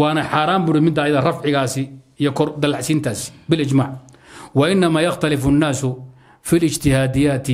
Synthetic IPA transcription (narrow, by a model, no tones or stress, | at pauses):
wɑːnɐħaːɾaːmbʊɽɪmɪd̪ːaːjɐðɐrɐfʕɪɣaːsɪijɔkʰɔrd̪ɐlɑʕsiːnt̪ʰaːsbɪlɪd͡ʒmaːʕ | wɐʔɪnːɐmaːjɐxt̪ʰɐlɪfʊnːaːsʊ | fiːlɪd͡ʒt̪ʰɪhaːd̪ɪjaːt̪ʰɪ